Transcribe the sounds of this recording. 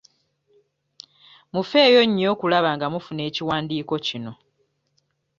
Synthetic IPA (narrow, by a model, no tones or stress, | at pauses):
mufe̞ːjo̞ɲːo̞ːkulaβaŋɡamufune̞ːciwaːndiːko̞cino̞